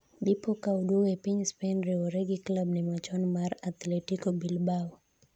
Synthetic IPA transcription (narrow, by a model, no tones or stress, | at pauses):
bipɔkauɗuɣɛpiɲspɛnɾɛɔɾɛɡiklabnimat͡ʃɔnmaɾat̪lɛtikɔbilbaw